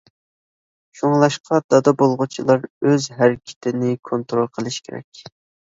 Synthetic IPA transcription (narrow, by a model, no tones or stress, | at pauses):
ʃuŋlˠɑʃqʰɑd̪̥ɑd̪ɑbolˠʁʊt͡ʃʰilˠɑɾøzɦæɾɪkʲʰɪ̥t̪ʰɪnɪkʰont̪ɾolˠqʰəlˠɨʃkʲeɾɛ̰kʲ